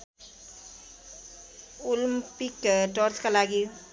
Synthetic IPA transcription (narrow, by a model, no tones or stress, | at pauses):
ulmpikʈɔɾskalaɡi